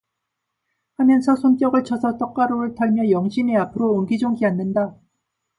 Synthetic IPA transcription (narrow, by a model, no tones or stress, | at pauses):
hamjʌnsʰʌsʰont͡ɕ͈ʌɡɯɭt͡ɕʰʌsʰʌt͈ʌk͈aɾoɯɭtaɭmjʌjʌŋɕʰineapʰɯɾoːnɡid͡ʑoŋɡianːɯnda